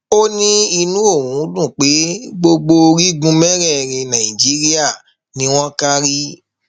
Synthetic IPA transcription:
o˦nĩ˦i˧nũ˨˦o˦˨wũ˨˦dũ˦˨k͡pe˨˦ɡ͡bo˧ɡ͡bo˧ɾi˦ɡũ˦mɛ˦ɾɛ˦˨ɾẽ˧nã˨ĩ˨d͡ʒi˨˦ɾi˦a˦˨ | nĩ˦w̃ɔ̃˦ka˦ɾi˦

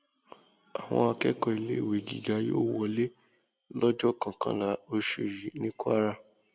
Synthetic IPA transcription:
a˨w̃ɔ̰̃˧a˧kɛ˦kɔ˧i˨le˦˨we˨ɡḭ˨ɡa˨˦joː˦˨wɔ˦˨le˦ | lɔ˦d͡ʒɔ˦˨kã˨kã̰˦la˨˦o˧ʃu˨ɾi˨˦nĩ˦ku˦a˦ɾa˧

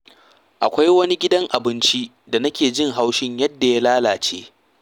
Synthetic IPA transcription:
ʔa˨kʷa˦jwɐ˦ni˦ɡʲɪ˦dɐ˦ŋʔa˨bɪ˦nt͡ʃi˦ | da˨nɐ˦kʲeː˨d͡ʒɪ˦˨ŋɦa˦wʃɪ˦ɲjɐ˦dːa˨ja˦laː˦laː˨t͡ʃḛː˦

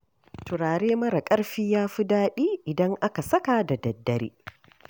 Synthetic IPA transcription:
tʰʊ˨ɾaː˨ɾeː˦mɐ˦ɾa˨kʼɐ˦ɽɸiː˦jaː˦ɸʊ˦daː˦ɗiː˦ʔɪ˨dɐ˦ŋʔa˦ka˨sɐ˦ka˨da˨dɐ˨dːɐ˦ɾḭː˦

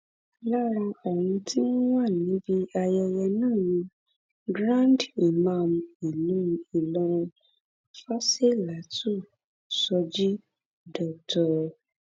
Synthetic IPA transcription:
la˦ɾa˧ɔ˨wũ˧tʰi˦nũ˦wa˦˨nĩ˨˦bi˧a˧jɛ˧jɛ˧nãː˦˨jĩ˧˦ | ɡɾã˦˨n˨di˨mã˧˨m˦i˨nũ˦˧i˨lɔ˧ɾ̃ũ˧ | fa˦se˦la˨˦tʰu˦˨ | sɔ˧d͡ʒi˦ | dɔ˨k̚tɔ˨

